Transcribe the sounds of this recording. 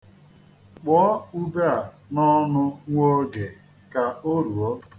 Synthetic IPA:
k͡pɔ˨˦u˦be˦a˨ | nɔ˦nʊ˦ŋʷo˦ɡe˨ | ka˨o˦ɾu˨ɔ˦

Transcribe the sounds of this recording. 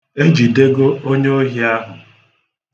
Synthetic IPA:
e˦d͡ʒi˨de˦ɡo˦o˦ɲe˦o˦ɦi˦a˦ɦʊ˨

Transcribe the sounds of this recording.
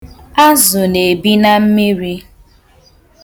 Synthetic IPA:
a˦zʊ˨ne˨bi˦na˦m̩˦mi˦ɾi˦

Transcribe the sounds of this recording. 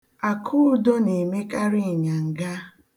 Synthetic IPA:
a˨kʰʊ˦do˦ne˨me˦ka˦ɾɪ˦˨ɲa˨ŋ̩˨ɡa˦

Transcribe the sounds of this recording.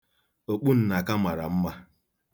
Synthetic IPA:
o˨k͡pu˦n̩˨na˨ka˦ma˨ɾa̰˨m̩˦ma˦

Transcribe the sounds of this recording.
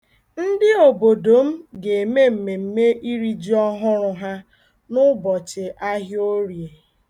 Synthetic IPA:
n̩˦dɪ˦o˨bo˨do˨m̩˦ɡe˨e˨me˦m̩˨me˨m̩˦me˦ʔi˦ɾi˦d͡ʒi˦ɔ˦ɦʊ˦ɾʊ˦ɦa˦ | nʊ˦bɔ˨t͡ʃɪ˨ʔa˦ɦɪ˦o˦ɾje˨

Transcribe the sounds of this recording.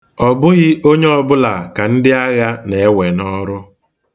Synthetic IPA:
ɔ˨bʊ˦ɣɪ˦ʔo˦ɲe˦ɔ˨bʊ˦la˨ka˨n̩˦dɪ˦a˦ɣa˦ne˨e˦we˨nɔ˦ɾʊ˦

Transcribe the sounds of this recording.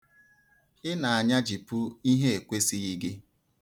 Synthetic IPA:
ɪ˦na˨a˨ɲa˦d͡ʒi˨pʊ˦i˦ɦe˦e˨kʷe˦si˦i˦ɡɪ˦

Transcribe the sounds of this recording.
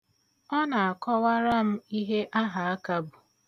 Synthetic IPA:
ɔ˦na˨a˨kɔ˦wa˦ɾa˦m̩˦i˦ɦe˦ʔa˦ɦa˨a˦ka˦bu˨

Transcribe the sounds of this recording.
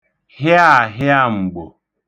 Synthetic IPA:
hɪ˦a˦˨ɦɪ˦a˦˨ŋ͡m̩˨ɡ͡bo̰˨

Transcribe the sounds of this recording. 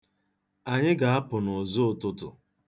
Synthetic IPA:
a˨ɲɪ˦ɡa˨a˦pʊ˨nʊ˨zo˦ʊ˨tʊ˦tʊ˨

